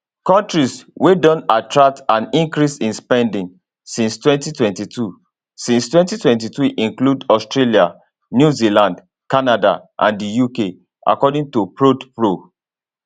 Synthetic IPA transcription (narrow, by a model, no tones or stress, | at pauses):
kɔ̃ntɹiswedɔ̃natɹak̚tãnĩŋkɹisĩnspɛ̃ndĩŋ | sĩnstwɛ̃ntitwɛ̃ntitʰu | sĩnstwɛ̃ntitwɛ̃ntituʔĩŋkludɔstɹelia | njuzilãnd | kanada̰ʔã̰ndijuke | ʔa̰kɔdĩŋtupɹodpɹo